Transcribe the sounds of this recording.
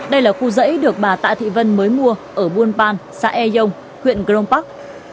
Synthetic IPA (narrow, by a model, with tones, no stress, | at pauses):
ɗə˧jlaː˨˩xu˧zə̰˧˥jɗɨ˨˩ək̚ɓaː˨˩t̪a̰ː˧˨jt̪ʰḭ˧˨və˧nməː˨˦jmu˧əʔəː˧˩ɓu˧ənpaː˧nsa̰ː˧˥ʔɛ˧zə˧wŋ͡m | xwḭ˧˨ənɣzə˧wŋ͡mpa˦˥k̚